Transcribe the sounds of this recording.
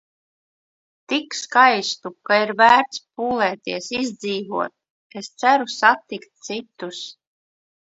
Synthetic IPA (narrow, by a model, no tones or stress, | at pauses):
t̪ikskajst̪ukaiɾvæːɾt̪spuːlˠɛːt̪iɛsizd̪ziːvuɔt̪̚ | est̪sæɾusat̪ikt̪̚t̪sit̪us